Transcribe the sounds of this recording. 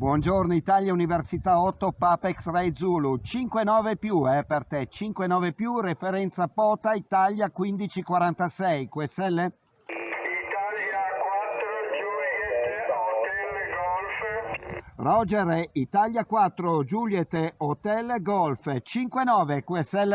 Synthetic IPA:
bwɔnd͡ʒornoit̪aljauniversit̪aɔt̪ːopapɛksrɛjd̪zulut͡ʃiŋkwenɔːvepjuɛpert̪ɛt͡ʃiŋkwenɔːvepjurefeɾɛnt̪sapɔːt̪ait̪aljakwind̪it͡ʃikwaɾant̪asɛjkwesɛlːe | rɔd͡ʒeɾɛit̪aʎjakwat̪ːɾod͡ʒuljet̪eot̪ɛlːɡɔlft͡ʃiŋkwenɔːvekwesɛlː

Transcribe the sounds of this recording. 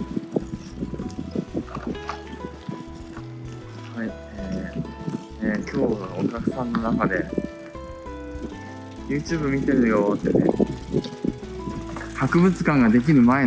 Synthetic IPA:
hai | eː | ekʲo̞ːokʲakɯ̟̥sãnːo̞nakad̪e̞ | jɯːt͡ɕɨːbɯ̟mʲit̪e̞ɾɯ̟jo̞ːt̪ːenḛ | hakɯ̟bɯ̟t͡sɨ̥kãŋɡad̪e̞k̬ʲiɾɯ̟mae̞

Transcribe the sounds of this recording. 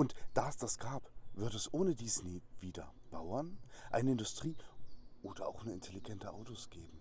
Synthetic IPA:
ʔʊntd̥aːɛsd̥asɡ̥aːpv̥ʏɐdəɛsʔoːnədɪsneːv̥iːdɐ̰b̥aʊɐnʔaɪnəɪndʊstʁ̥iːʔoːdɐa̰ʊxnuɪntʰeliɡɛntəʔaʊtosɡ̥eːbm̩

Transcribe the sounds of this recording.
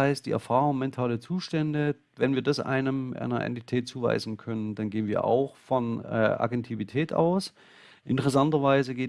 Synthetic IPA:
aɪst̚d̥iːʔɛ̰ɐfaːʁʊŋmɛntʰaːlət͡suːʃtɛndə | vɛnviːɐdasʔa̰ɪnəmʔa̰ɪnɐʔɛ̰ntitʰɛːt̚t͡suːva̰ɪzn̩kʰœnəndanɡeːənviːɐʔa̰ʊxfɔnɛ̰ːʔa̰ɡɛntʰivitʰɛːta̰ʊs | ʔɪntəʁɛs̬antɐvaɪzəɡeː

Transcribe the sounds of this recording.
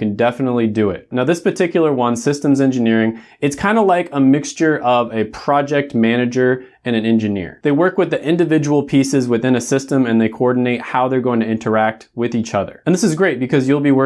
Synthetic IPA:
kɨ̃n̩dɛfənətˡlidɨɪ̰t̚naʊðɪspə˞tʰɪkjl̩ˠə˞wʌ̃nsɪstə̃mzɛ̃nd͡ʒɨnɪɹɪ̃ŋ | ɨtskʰãɪ̃ndəlaɪkʰəmɪkst͡ʃə˞ʔʌvɨpʰɹ̥ɑd͡ʒɛk̚tmæñɨd͡ʒə˞ | ɨ̃ñɨ̃nɛ̃nd͡ʒɨnɪ̰ɹðeɪwɜ˞kwɨðiʔɪ̃ndɨvɪd͡ʒəwl̩ˠpʰisɨzwɨθɪ̃ñɨsɪstə̃mɨ̃nðeɪkʰoɔɹdⁿn̩eɪt̚haʊðə˞ɡoʊɪ̃ŋtʰɨɪ̃ntʰə˞æk̚t̚wɪðit͡ʃʌðə̰˞ɨ̃nðɪsɨzɡɹeɪt̚b̥ɨkʰʌzjɨlˠbiwɜ

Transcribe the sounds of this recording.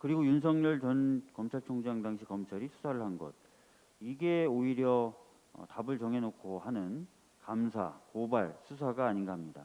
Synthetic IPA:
kɯɾiɡojunsʰʌŋɲʌɭt͡ɕʌnkʌmt͡ɕʰaɭt͡ɕʰoŋd͡ʑaŋdaŋɕʰikʌmt͡ɕʰaɾisʰu̥sʰaɾɯɭɦanɡʌd̚ | iɡe̞oiɾjʌ̰ | tabɯɭt͡ɕʌŋɦe̞nokʰohanɯn | kamsʰa̰kobaɭsʰus̬ʰaɡaːɲinɡahamɲida̰

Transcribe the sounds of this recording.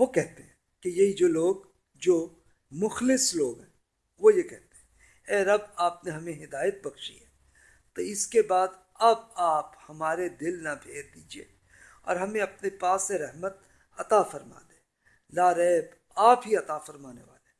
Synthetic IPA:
ʋokɛɦt̪eɦɛ̃ | kejɐɦid͡ʒoːloːɡ | d͡ʒoː | mʊxlɪsloːɡɦɛ̃ː | ʋojekɛɦt̪eɦɛ̃ | ɛːɾɐb̚aːpneɦɐmẽɦɪd̪aːjət̪̚bɐkʃḭɦɛ | t̪oɪskebaːd̪ | ɐbaːphɐmaːɾed̪ɪlnabʱeːɾd̪iːd͡ʒiḛː | ɔ̰ːɾɦɐmẽɐpnepaːsːeɾɛɦmət̪̚ | ɐt̪afɐɾma̰ːd̪ẽː | laːɾɛːb | aːpɦiɐt̪afɐɾmaːnḛʋa̰ːle

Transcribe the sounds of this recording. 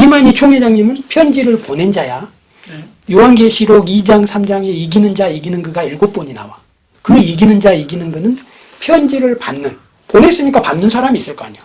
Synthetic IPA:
imaɲit͡ɕʰoŋed͡ʑaŋɲimɯnpʰjʌnd͡ʑiɾɯɭpone̞nd͡ʑaja | jowaŋɡe̞ɕʰiɾoɡid͡ʑaŋsʰamd͡ʑaŋe̞iɡinɯnd͡ʑaiɡinɯnɡɯɡaiɭɡop͈oɲina̰wa̰ | kɯiɡinɯnd͡ʑaiɡinɯnɡɯnɯn | pʰjʌnd͡ʑiɾɯɭpanːɯn | pone̞s͈ɯɲik͈apanːɯnsʰaɾamiːs͈ɯɭk͈oa̰ɲo

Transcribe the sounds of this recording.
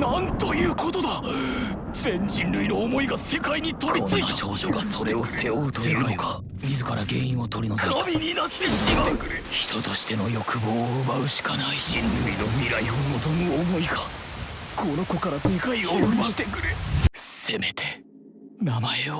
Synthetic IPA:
nãnt̪o̞jɯ̟ːko̞t̪od̪a | d͡zẽ̞ɲ̟d͡ʑĩnɾɯ̟ino̞ːmo̞iɡase̞kaiɲ̟it̪o̞ɾit͡sɨit̪eɕookaso̞ɾe̞oseot̪oeɯnoka | mʲizɨkaɾaɡe̞ːĩo̞t̪o̞ɾʲinoszeabʲiɲ̟inat̪ːe̞ɕimat̪ekɯɾeçi̥t̪o̞t̪o̞ɕi̥t̪e̞no̞jo̞kɯ̟boːɯbaɯ̟ɕi̥kanaiɕĩnɾɯino̞mʲiɾaionozõ̞niomo̞iɡakʰo̞no̞ko̞kaɾat̪ekaioiɕi̥t̪ekɯ̟ɾese̞me̞t̪ʰe̞ | namaeo

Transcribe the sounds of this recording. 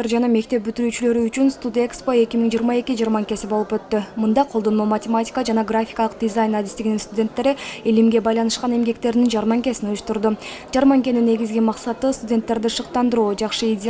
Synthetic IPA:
ɾd͡ʒɑnɑme̞k̚t̪e̞p̚byt̪yɾyːt͡ʃylø̞ɾyːt͡ʃynst̪ud̪e̞kspo̞e̞kʲimiŋd͡ʒijːɾmɑe̞kʲid͡ʒijɾmɑŋkʲe̞sibolˠupø̞t̪ːymɯnd̪ɑqʰod̪o̞nmomɐtʲɪmatʲɪ̥kəd͡ʒɑnɑɡrafʲi̥kɑlˠəq̚dʲɪzajnad̪ist̪iɡʲininst̪udʲe̞nt̪ːe̞ɾiilimɡʲe̞bɑjlˠɑnɯʃqɑne̞mɡe̞k̚t̪e̞ɾinind͡ʒɑɾmɑŋkʲe̞sinojuʃt̪uɾd̪ud͡ʒɑɾmɑŋkʲe̞ninːe̞ɡʲizɡʲimɑqsɑt̪ɯst̪udʲe̞nt̪ːe̞ɾd̪iʃɯq̚t̪ɑnd̪ɯɾuːd͡ʒɑqʃɯidʲ

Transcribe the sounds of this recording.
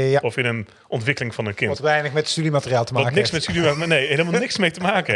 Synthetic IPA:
jaɔfɪnən | ʔɔntʋɪkəlɪŋvɑnənkɪntʋɛjnəxmɛtəstydimatərjaːlˠtəmːknɪksmɛtstydinejɦeləmalˠnɪksmejtəmaːkə

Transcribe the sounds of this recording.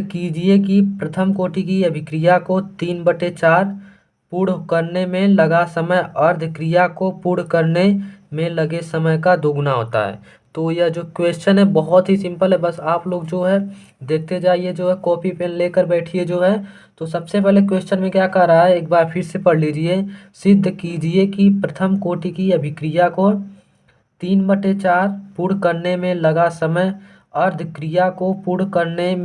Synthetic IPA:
kiːd͡ʒiekipɾɐt̪ʰəmkoːʈik̬iɐbʱɪkɾijakot̪iːnbəʈet͡ʃaːɾ | puːɽkəɾnemẽlɐɡasəməjɐɾd̪ʱkɾijakopuːɽ̤kəɾnemẽlɐɡesɐməjkad̪oːɡnaɦo̰ːt̪a̰ɦɛ̰ː | t̪oːjɐd͡ʒoːkweːst͡ʃənɦɛbɔɦɔt̪ɦisɪ̃mpəlɦɛbɐsaːploːɡd͡ʒoːɦɛ | d̪eːk̚ʰt̪ed͡ʒaːied͡ʒoːɦɛkɔːpipeːnleːkəɾbɛːʈʰied͡ʒoːɦɛ | t̪osɐbsep̬ɛɦlek̬weːst͡ʃənmẽkjaːkɐɦɾaɦaɦɛeːk̚baːɾpʰɪɾsepɐɽ̤liːd͡ʒiesɪd̪ʱːkiːd͡ʒiekipɾɐt̪ʰəmkoːʈikiɐbʱɪkɾijako | t̪iːnbəʈet͡ʃaːɾpuɽ̤kəɾnemẽlɐɡasəməj | ɐɾd̪ʱkɾijakopuɽkəɾnem

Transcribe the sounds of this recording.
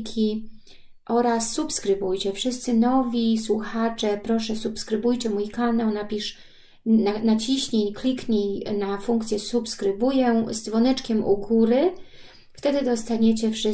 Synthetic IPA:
kʲʰi | ʔɔɾasːupskɾɘbujt͡ɕɛfʂɘst̪sɘnɔvʲiswuxat͡ʂɛpɾɔʂɛsupskɾɘbujt͡ɕɛmujkanawnapʲiʂ | nanat͡ɕiɕɲeɲklʲikɲenafuŋkt̪sʲjɛsupskɾɘbujɛzd̪zvɔnɛt͡ʂkʲɛmʔṵɡuɾɘ | ft̪ɛd̪ɘd̪ɔst̪aɲet͡ɕɛfʂɘ

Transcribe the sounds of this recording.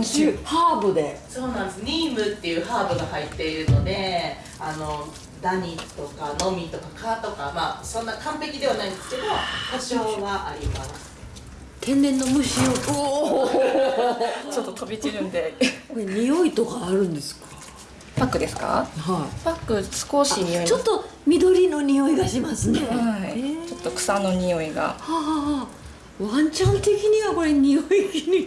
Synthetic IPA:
haːbɯ̟d̪e̞so̞ːnãnd̪esɨɲʲiːmɯt̪ːe̞jɯ̟ːhaːbɯ̟ɡahait̪ːe̞iɾɯ̟no̞d̪e̞ | ano̞ | d̪aɲ̟it̪o̞kano̞mʲit̪o̞kakat̪o̞kamaːsõ̞nːakãmpe̞kʲid̪e̞β̞anaĩnd̪e̞sɨ̥ke̞d̪o̞h̪at͡ɕo̞ːɡaʔaɾʲimasɨ̥ | t̪ʰẽ̞nd̪ẽ̞nːo̞mɯ̟ɕioo | t͡ɕo̞t̪ːot̪ʰo̞bʲit͡ɕiɾɯ̟̃nd̪e̞ko̞ɾe̞ɲ̟ijo̞it̪o̞kaːɾɯ̟̃nd̪e̞sɨ̥kḁ | pakːɯ̟d̪e̞sɨ̥ka̰hapakːɯ̟sɨ̥ko̞ɕiɲioit͡ɕot̪ːo̞ | mʲid̪o̞ɾʲino̞ɲ̟ʲio̞iɡaɕimasɨne̞hait͡ɕo̞t̪ːo̞kɯ̟̥sano̞ɲ̟io̞iɡa̰ha | βãɲ̟t͡ɕãnt̪e̞kʲiɲ̟iβako̞ɾe̞ɲ̟ʲijoini

